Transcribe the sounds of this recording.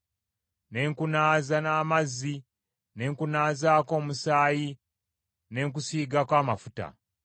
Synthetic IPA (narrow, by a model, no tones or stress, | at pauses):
ne̞ːŋkunaːzanaːmazːi | ne̞ːŋkunaːzaːko̞ːmusaːji | ne̞ːŋk̬usiːɡakwaːmafuta̰